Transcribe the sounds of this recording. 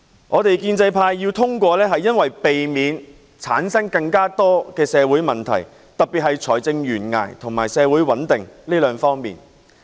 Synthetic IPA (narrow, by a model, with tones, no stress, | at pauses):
ŋʔɔː˨˧t̪e˨jkiː˧nt͡sɐ˧jpʰaː˧jːiː˧wt̪ʰʊ˥ŋkʷɔː˧lɛː˥ɦɐ˨jːɐ˥nwɐ˨jpe˨jmiː˨˧n | t͡sʰa̰ː˨˥nsɐ˥ŋkɐ˧ŋkaː˥t̪ɔː˥kɛː˧sɛː˨˧wuː˨˥jmɐ˨nt̪ʰɐ̰˨˩j | t̪ɐ˨k̚piː˨t̚hɐ˨jt͡ʃʰɔː˨˩jt͡sɪ˧ŋjyː˨˩nŋa̰ː˨˩jt̪ʰʊ˨˩ŋmaː˨˩jsɛː˨˧wuː˨˥jwɐ˨˥nt̪ɪ˨ŋliː˥lœː˨˧ŋfɔː˥ŋmḭː˨˩n